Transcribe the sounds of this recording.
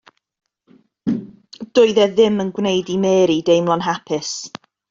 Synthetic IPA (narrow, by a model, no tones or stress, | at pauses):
d̥ʊɨðɛðɪmənɡwnejdimɛːɾidejmlˠɔnɦapʰɪs